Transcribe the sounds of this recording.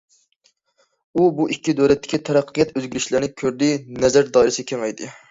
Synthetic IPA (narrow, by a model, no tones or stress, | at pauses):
ubuʔikʲːid̪øɾɛt̪ʰːɪ̥kʲʰit̪ʰɛɾæqʰːəjɛt̪øzɡʲyɾɪʃlɪɾnɪkʲʰøɾd̪ɪnɛzæɾd̪ɑːiɾɪsɪkʲʰeŋɛjd̪ɪ